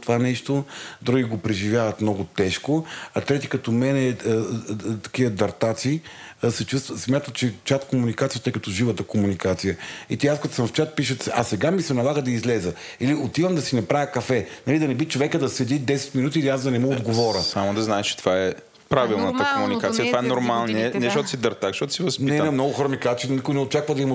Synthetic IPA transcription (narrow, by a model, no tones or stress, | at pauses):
t̪ovanɛʃt̪od̪ɾuɡiɡopɾɛʒivjavɐt̪mnɔɡʊt̪ɛʃkoɐt̪ɾɛt̪ikɐt̪ɔmɛnɛ | t̪ɐ̥kiəd̪ɐɾt̪at̪siːsɛt͡ʃust̪vəsmʲjat̪ət̪t͡ʃɛt͡ʃat̪komunikat̪sijət̪əjkɐt̪ɔʒivət̪əkomunikat̪sijəit̪iaskɐt̪o̥səmft͡ʃat̪̚piʃ̬ət̪sa̰sɛɡamisɛnɐlˠaɣəd̪ɐizlɛzə | iliot̪ivəmd̪ɐsinɐpɾavʲjəkɐfɛnɐlid̪ɐnɛbit͡ʃovɛkəd̪ɐsɛd̪id̪ɛsɛ̥t̪minut̪̬iːliazd̪ɐnɛmɔod̪ɡovɔɾəsamod̪ɐznaɛʃt͡ʃɛ̥t̪ovaɛ | pɾavilˠnət̪əkomunikat̪ijt̪vaɛnoɾmalˠniɛnɛʃʃot̪ʊ̥sid̪ɐɾt̪axʃtɔt̪ʊ̥sivɐspniɛnɛmnɔɡʊxɾɔmikat͡ʃɛnikʊjinɛot͡ʃakvəd̪ɐim